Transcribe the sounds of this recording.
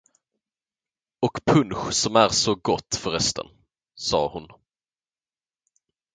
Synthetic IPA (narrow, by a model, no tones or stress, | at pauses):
ɔkpʰɵnɧsɔmæɾsɔɡɔt̪ːfœɾɛst̪ʰə̰n | sɑ̰ːhʊn